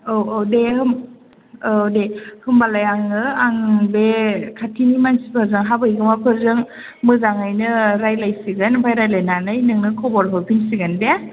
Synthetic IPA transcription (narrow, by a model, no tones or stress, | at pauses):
owowdehɯm | dehɯmbalajaŋɯaŋbekʰatʰinimansi̥pʰɯɾzɯŋɦabɯjɡɯmapʰɯɾzɯŋ | mɯzaŋajnɯɾajlajsiɡɯnbʰajɾajlajnanɯjnɯŋnɯkʰɔbɔɾɦɯpʰinsiɡɯnde